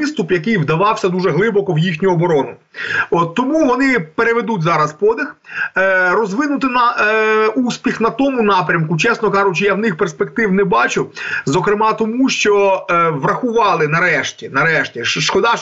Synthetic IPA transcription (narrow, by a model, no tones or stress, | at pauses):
ɪst̪ʊpjɐkɪjʋd̪ɐʋɑwsʲɐd̪uʒɛɦlˠɪbɔkɔwjixnʲʊɔbɔɾɔnʊɔt̪ːɔmuʋɔnɪpeɾeʋed̪utʲzɑɾɐspɔd̪ɪx | rɔzʋɪnʊt̪ɪnɐ | usʲpʲixnɐt̪ɔmʊnɑpɾʲɐmkʊt͡ʃɛsnɔkɑʒʊt͡ʃɪjawnɪxperspek̚t̪ɪwnɛbɑt͡ʃʊzɔkɾɪmɑt̪ɔmuʃt͡ʃɔʋrɐxʊʋɑlˠɪnɐɾɛʃtʲinɐɾɛʃtʲiʃkɔd̪ɑ